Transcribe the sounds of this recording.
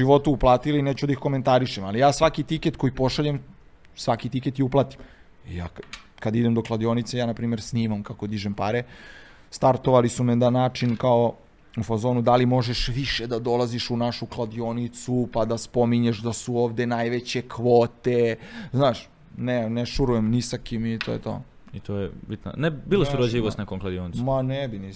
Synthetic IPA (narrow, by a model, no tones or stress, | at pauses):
iʋo̞t̪uːplˠaːt̪ilineːt͡ɕud̪aixko̞ment̪aɾiʃemalijaːsʋakit̪iket̪̚kojipo̞ʃaʎem | sʋakit̪iket̪iuplˠat̪i̥m | ja̰ːkad̪aid̪emd̪o̞klˠad̪io̞nit̪sejaːnapɾiːme̞ɾsniːmamkako̞d̪iʒempaɾe | st̪aɾt̪o̞ʋalisumed̪anaːt͡ʃinkao | ufazo̞nud̪alimo̞ʒe̞ʃʋiʃed̪ad̪o̞laziʃunaʃuklˠad̪io̞nit̪supad̪aspo̞miɲeʃd̪asuoːʋd̪e̞najʋet͡ɕekʋoːt̪eznaːʃ | neneʃuɾujemnisakimit̪oːjet̪o̰ː | it̪ʰojebit̪na̰nebilˠossuɾod͡ʑiʋost̪nekoŋklˠad̪ijonimanɛbini